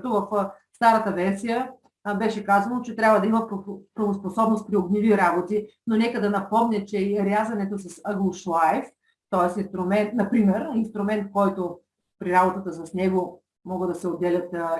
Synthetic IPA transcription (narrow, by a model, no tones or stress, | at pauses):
t̪ovɐfst̪aɾət̪əvɛnsijə | bɛʃɛkazɐnot͡ʃɛt̪ɾʲjabvəd̪ɐimɐppɾɐvosposɔbnost̪̚pɾiobniviɾabot̪i | nonɛkəd̪ɐnɐpɔmnʲɛt͡ʃɛiɾjazɐnɛt̪osɐsəɡlˠoʃlˠaɛf | t̪ɔɛsinst̪ɾʊmɛnt̪nɐpɾimɛɾinst̪ɾumɛnt̪̚kɔjt̪o | pɾiɾabot̪ət̪əs̬ɐsnɛɡo | mɔɡəd̪ɐsɛod̪ːɛlʲət̪